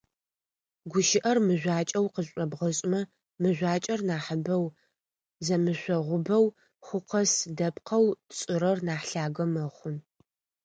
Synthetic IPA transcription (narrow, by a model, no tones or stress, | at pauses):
ɡʷʊʃɪʔɐrmɨʑʷaːt͡ʃʼɐwqəɕʷʼɔbʁɐɕʼmɐ | mɨʑʷaːt͡ʃʼɐrnaːħəbɐw | zɐmɨɕʷɔʁʷʊbɐw | χʷʊqɐsdɐpqʰɐwt͡sʼɪɾɐrnaːħɬaːɡɐmɐχʷʊn